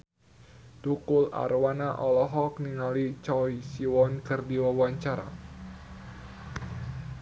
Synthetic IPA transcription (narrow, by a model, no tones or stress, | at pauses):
t̪ukʊla̰ɾwanaʔɔlɔɦɔk̚niŋalit͡ʃɔisiwɔnkərdiwawaɲt͡ʃaɾa̰